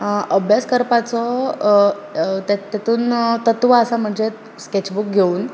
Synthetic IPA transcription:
ʔəbʱjaskəɾpat͡sɔ | t̪t̪et̪uːnt̪ət̪ʋaəsam̤əɳd͡ze | sket͡ɕbuk̚ɡʱeuːn

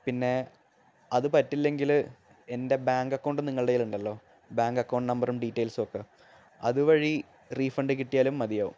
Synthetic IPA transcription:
pinːe̞ | ɐðɨpɐtːilːe̞ŋɡil | e̞nde̞baːŋɡɐkːoːɳɖɨniŋːɐɭɨɽejiluɳɖɐlːo̞ː | baːŋɡɐkːɐːɳɖnɐmbɐrumɖitːejlsokːɨ | ɐ̰ðuʋɐɻi | riːfɐɳɖɨkiʈːijaːlumːɐðijɐːʋṵm

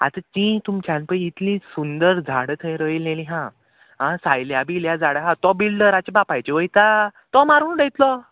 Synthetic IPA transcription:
a̰t̪at͡ɕĩt̪umt͡ɕãnpəit̪lĩsund̪əɾd͡zʱaɽət̪ʰəjɾəilneliɦã | ɦãsajljabiljad͡zaɽəɦãt̪ɔbilɖəɾat͡ɕabapajt͡ɕeʋəjt̪at̪ɔmaɾuːnɖet̪lɔ

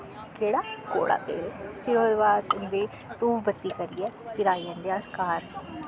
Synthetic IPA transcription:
keːɽaːko̰ːɽa̰ːt̪ḛːlepʰɪɾoːd̪baːd̪ʊnd̪eː | t̪uːʋbət̪ːiːkəɾiːɛːt̪ɪɾaːiːə̃nd̪eaːskaːɾ

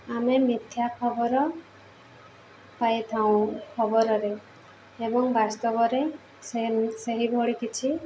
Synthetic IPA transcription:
amemit̪ʰjakʰɔbɔɾɔ | pajt̪ʰaũkʰɔbɔɾɔɾeː | bɔŋbast̪ɔbɔɾe | seseɦibʱoɽikit͡ʃʰi

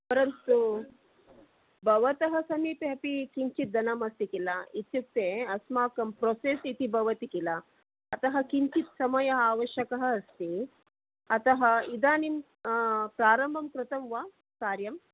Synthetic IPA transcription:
pɐɾɐnt̪u | bʱɐʋɐt̪ɐɦɐsɐmiːpeɦɐpikiɲt͡ʃit̪̚d̪ɐnɐmɐst̪ikilɐit̪juk̚t̪eɐsmaːkɐmpɾoːseːsit̪ibʱɐʋɐt̪ikilɐː | t̪ɐɦɐkiɲt͡ʃit̪sɐmɐjɐɦaːʋɐʃjɐkɐɦɐ̆ːst̪i | ɐt̪ɐɦɐid̪aːnim | pɾaːɾɐmbʱɐmkɾɨt̪ɐmʋaː | kaːɾjɐm

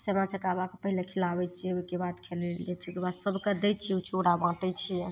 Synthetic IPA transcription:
semãt͡ʃəkabakepəɦilekʰilabɛt͡ʃʰiɛokebat̪kʰelɛlɛt͡ʃʰikebad̪səbʱkəd̪ɛt͡ʃʰiut͡ʃʰoɽabãʈɛt͡ʃʰijɛ

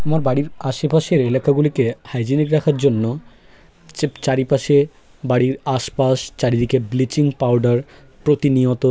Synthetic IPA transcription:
amaɾbaɽiɾaʃepaʃeɾelakaɡulikehajd͡ʑinikɾakʰaɾd͡ʑonːo | t͡ɕaɾipaʃe | baɽiɾaʃpaʃt͡ɕaɾid̪ikeblit͡ɕiŋpawɖaɾ | pɾot̪iniot̪o

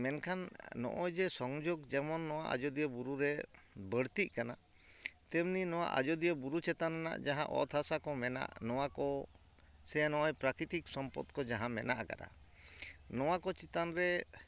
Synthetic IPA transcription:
mɛnkʰanːɔ̰ʔɔjd͡ʒɛsɔŋd͡ʒoɡd͡ʒɛmɔnːɔwaʔa̰d͡ʒɔd̪ijɔbuɾuɾɛ | bəɽt̪iʔ̚kana | t̪ɛmninɔw̃a̰ʔa̰d͡ʒɔd̪ijɔbuɾut͡ʃɛt̪anna̰ʔd͡ʒaɦã̰ʔɔ̰t̪ʰasakɔmɛna̰ʔnɔwakɔ | sɛanɔʔɔjpɾakɾit̪iksɔmpɔ̰t̪kɔd͡ʒaɦãmɛnaʔaka̰ɾa̰ | nɔwakɔt͡ʃit̪anɾɛ

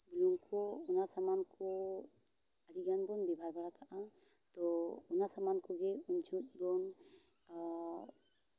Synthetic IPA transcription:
d͡ʒinɔŋkʰɔunasamankʰɔ | aɾiɡanɡɔnd̪ɛbʱaɡat̪ʰaʔa | t̪ɔunasamankɔɡɛunt͡ʃʰit̪̚ɡɔn

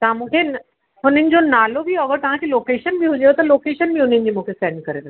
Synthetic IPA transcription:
t̪ɐɦãmũːkʰen | ɦʊn̤ənɪ̆d͡ʑonaːlobʱiɐɡəɾt̪ɐʋ̤ãkeloːkeːʃənbʱiɦʊd͡ʑejot̪ɐloːkeːʃənbʱiɦʊn̤ənɪ̆d͡ʑiːmũːkʰesɛːɳɖ̚kɐɾed̪e

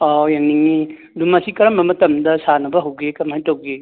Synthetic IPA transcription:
ɔjaŋniŋni | dumɐsikɐɾɐmbɐmɐtɐmdɐsanɐbɐɦɐwɡekɐmhajtɐwɡe

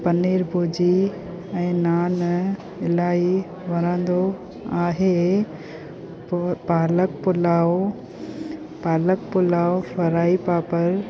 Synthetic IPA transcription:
pɐneːɾbʱoːd͡ʑi | ɛ̃ːnaːn | ɪlaːi | ʋɐɾ̃ə̃nd̪o | aːɦe | paːləkpʊlaːo | paːləkpʊlaːofɐɾaːipaːpəɾ

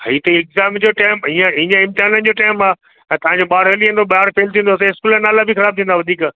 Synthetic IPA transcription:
ɦit̪ɐiɪkzaːmd͡ʑoːʈaːɪmɦiːə̃ɦĩə̃ɪ̃mt̪ɪɦaːnənd͡ʑoːʈaːɪmaː | ɛ̃ːt̪ɐʋ̤ãɲd͡ʑoɓaːɾɦeːliẽːn̆d̪oɓaːɾfeːlt̪ʰĩːnd̪oɐs̬ãɪskuːlənaːlabixɐɾaːb̚t̪ʰĩːnd̪aʋɐd̪ʱiːk

